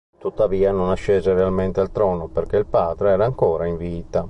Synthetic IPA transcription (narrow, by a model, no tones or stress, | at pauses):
t̪ut̪ːaviːanonaʃːeːzerealment̪ealt̪ɾɔːnoperk̟eilpaːd̪ɾeɛːɾaːŋkɔːɾaiɱviːt̪a